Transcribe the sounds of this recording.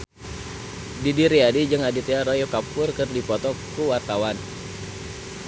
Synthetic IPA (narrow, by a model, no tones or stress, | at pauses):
didiɾiadid͡ʒɨŋadit̪eaɾojokapʊrkɨrdipɔt̪ɔkuwart̪awan